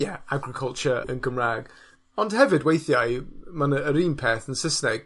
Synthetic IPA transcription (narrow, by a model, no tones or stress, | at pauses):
jɛaɡɾɪkʰəlˠt͡ʃəə̃nɡəmraɡ | ɔnd̥hɛvɪdwejθjajmanəːɾiːnpʰɛθənsəsnɛɡ̥